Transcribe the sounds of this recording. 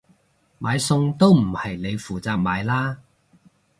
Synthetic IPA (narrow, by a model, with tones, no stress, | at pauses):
maː˨˧jsʊ˧ŋt̪o˥wm̩˨˩hɐ˨jne˨˧jfuː˨t͡saː˧k̚maː˨˧˥jlaː˥